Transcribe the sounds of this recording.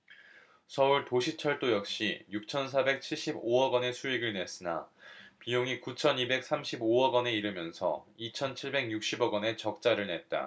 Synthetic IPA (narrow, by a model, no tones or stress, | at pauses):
sʰʌuɭtoɕʰit͡ɕʰʌɭt͈ojʌk̚ɕ͈ijuk̚t͡ɕʰʌnsʰabe̞k̚t͡ɕʰiɭɕ͈iboʌɡʌne̞sʰuiɡɯɭne̞s͈ɯna̰pijoŋikut͡ɕʰʌnibe̞k̚s͈ʰamɕʰiboʌɡʌne̞iɾɯmjʌnsʰʌ̰it͡ɕʰʌnt͡ɕʰiɭbe̞ɡjuk̚ɕ͈ibʌɡʌne̞t͡ɕʌk̚t͡ɕ͈aɾɯɭne̞t̚t͈a̰